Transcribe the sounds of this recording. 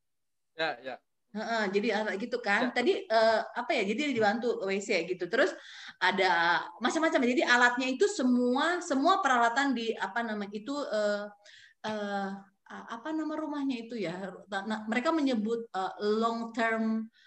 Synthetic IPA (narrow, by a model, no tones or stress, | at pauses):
jaja | əʔəd͡ʒadiaaɡit̪ukant̪adiəːapajad͡ʒadidibant̪uwesjaɡit̪ut̪əɾʊsʔadamat͡ʃamːat͡ʃamd͡ʒadiʔalat̪̚ɲait̪usəmuasəmuapəɾalat̪andiapanamaɲit̪uəː | əː | əapanamaɾumahɲait̪ujaanaməɾekaməɲəbʊt̪̚əlɔŋt̪ərm